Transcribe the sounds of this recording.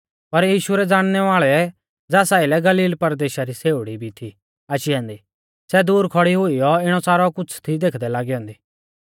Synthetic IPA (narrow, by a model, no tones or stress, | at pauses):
pɐɾjiːʃʊɾɛd͡zaːɽ̃nɛʋaːɭɛ | d͡zaːsaːɪlɛɡɐliːlpɐɾd̪eːʃaɾiseːʊɽibʱit̪ʰi | aːʃiɐ̃ːnd̪i | sɛd̪uːɾkʰɔɽiɦʊijɔɪɽ̃ɔsaːɾɔkʊt͡sʰt̪ʰid̪eːkʰd̪ɛlaːɡiɦɔ̃ːnd̪iː